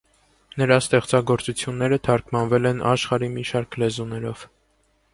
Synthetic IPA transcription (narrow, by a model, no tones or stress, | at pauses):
nəɾɑst̪ɛχt͡sɑɡɔɾt͡sut͡sʰjunːɛɾət̪ʰɑɾkʰmɑnvɛlɛnɑ̰ʃχɑɾimiʃɑɾkʰlɛzunɛɾɔv̥